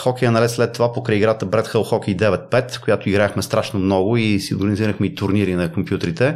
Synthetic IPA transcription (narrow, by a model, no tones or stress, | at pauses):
xɔkɛjɐnɐlɛt̪slɛt̪ːovapokɾɛjiɡɾat̪əbɾɛt̪xəlˠxɔkɛjd̪ɛvɛt̪̚pɛt̪kojat̪oiɡɾaɛxmɛst̪ɾaʃnomnɔɡʊisio̰lˠɡɾniziɾəxmɛit̪ʊɾniɾinɐkompjut̪əɾit̪ɛ